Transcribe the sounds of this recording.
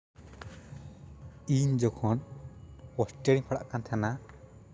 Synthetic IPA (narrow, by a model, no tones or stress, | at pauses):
iɲd͡ʒɔkʰɔn | wɔsʈɛɽiŋpʰaɽa̰ʔkant̪ʰana